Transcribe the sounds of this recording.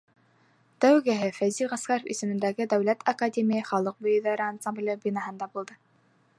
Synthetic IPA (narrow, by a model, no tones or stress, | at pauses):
t̪æwɡæɦɘfæziʁɑskɑɾofḭsɘ̆mɘ̆nd̪æɡɘd̪æwlæt̪ʰɐkadʲemʲijəχɑlˠɤq̚bujɤðɑɾəansamblʲebʲinɑɦɤ̆nd̪ɑbulˠd̪ɤ